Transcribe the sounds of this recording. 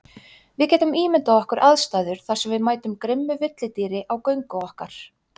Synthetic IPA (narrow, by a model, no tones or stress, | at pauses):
vɪðcɛːt̪ʏmiːmɪnt̪aɔhkʏɾʔaðst̪aːðʏɾ̥θḁsɛmvɪðmaːjt̪ʏmkɾɪmːʏvɪt̪lɪt̪iːɾɪʔawkœɥŋkʏɔhkaɾ̥